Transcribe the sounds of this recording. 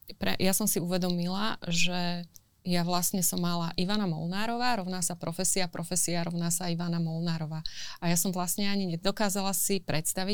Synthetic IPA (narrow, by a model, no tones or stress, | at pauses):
pɾɛ̰jasɔmsiuʋɛd̪ɔmilaʒɛ | jaʋlasɲɛsɔmːalaʔiʋanamɔ̰lnaːɾɔʋaːɾɔʊnaːsapɾɔfɛsiapɾɔfɛsiaɾɔʊnaːsaiʋanamɔlnaːɾɔʋaːajasɔmʋlastɲɛaɲiɲɛd̪ɔkaːzalasipɾɛt̪st̪aʋi